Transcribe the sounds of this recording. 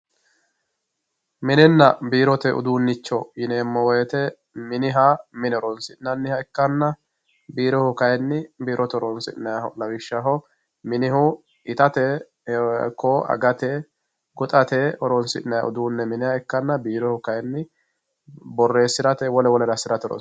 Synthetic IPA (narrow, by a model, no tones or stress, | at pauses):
mɪnɛnːɐbiːɾɔt̪ɛʊ̰d̪uːnːɪt͡ʃːɔjɪneːmːɔwɛjɛt̪ɛ | mɪnɪɦamɪnɛɔɾɔnsɪnɐnːɪhɐɛkːɐnːɐ | biːɾɔhʊkɐjɛnːɪbiːɾʔɔt̪ɛɔɾɔnsɪ̰ʔnɐjahɔlɐbɪʃːɐɦɔ | mɪnɪhʊ | ɪt̪ɐt̪ɛ | kɔɐ̰ɡɐt̪ɛ | ɡɔt̪ʼɐt̪ɛɔɾɔnsɪ̰ʔnːɐja̰ʔʊ̰d̪uːnːɛmɪnɪhɐɛkːɐnːɐbiːɾɛhʊkɐjɛnːɪ | bɔrːeːsɪɾɐt̪ɛwɔlɛwɔlɛɾɐsɪɾɐt̪ɔɾɔ̰